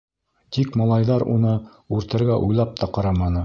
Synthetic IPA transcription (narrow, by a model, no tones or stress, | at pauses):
t̪ikmɑlˠɑjðɑɾṵnɤ | ʉɾt̪ɘ̆ɾɡæʔujlˠɑp̚t̪ɑqɑɾɑmɑnɤ